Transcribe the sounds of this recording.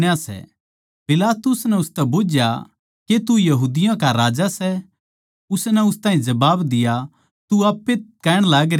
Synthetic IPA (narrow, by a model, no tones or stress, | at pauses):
asɛ̰ | pɪlaːt̪ʊsnɛʊst̪ɛboːd͡ʒja̰ | ket̪ujɐɦuːd̪ɪjãkaɾaːd͡ʒasɛ | ʊsnɛʊst̪ãːɦĩd͡ʒɐbaːbd̪ɪja | t̪uaːpːekɛːɽ̃laːɡɾe